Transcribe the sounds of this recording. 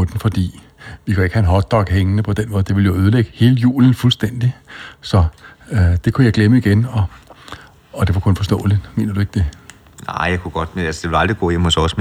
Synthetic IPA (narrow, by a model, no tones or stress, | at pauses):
od̥n̩fɒ̽d̥ḭː | ʋikʰæe̝ɡ̥hæenɦɒ̽d̥̚ɒɡ̥ɦeŋənəpʰɒ̽d̥enmɔ̽ːð̞ˠd̥eʋe̝ljo̝øːð̞ˠleɡ̥əhe̝ːləjṵːln̩fulsd̥en̰d̥isɒ̽ | d̥e̝kʰujɑ̈ɪɡ̥leməiɡ̥enɒ̽ | ɒ̽d̥e̝ʋɑkʰɔ̽nfɒ̽sd̥ɔ̰̽ːlid̥me̝̰ːnɐd̥ue̝ɡ̥̚d̥e̝ | nɑ̰ɪ̰jaɪkʰuɡ̥ɒ̽d̥ælsəd̥e̝ʋelɑ̈ld̥ʁiɡ̥ɔ̰ːjemhosɒsm